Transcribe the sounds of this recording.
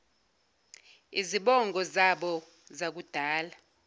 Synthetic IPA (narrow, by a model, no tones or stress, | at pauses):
iziɓɔŋɡʱɔzaɓɔ | zak̬ud̥ʱaːla